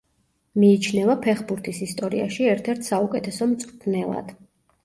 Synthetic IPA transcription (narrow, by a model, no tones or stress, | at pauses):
miːt͡ʃʰnɛvapʰɛχbuɾt̪ʰisist̪ʼɔɾḭa̰ʃiɛɾt̪ʰɛɾt̪ʰsaukʼɛt̪ʰɛsɔmt̪sʼt̪ʰnɛlˠa̰d̪̥